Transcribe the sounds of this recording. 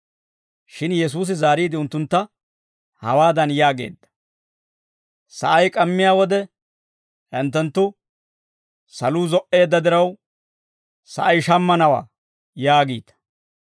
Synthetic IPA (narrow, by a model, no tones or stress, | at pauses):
ʃɪnjɛs̬uːs̬ɪzaːɾiːd̪ɪʊnt̪ːʊnt̪ːɐ | hɐ̰waːd̪ɐnjaːɡe̞̰ːd̪ːɐ̥ | sɐ̰ʔɐjkʼɐmːɪjaːwɔd̪ɛ | ɛnt̪ːɛnt̪ːʊ | sɐluːzɔʔe̞ːd̪ːɐd̪ɪɾɐw | sɐ̰ʔɐjʃɐmːɐnɐwa̰ː | jaːɡiːt̪ɐ̥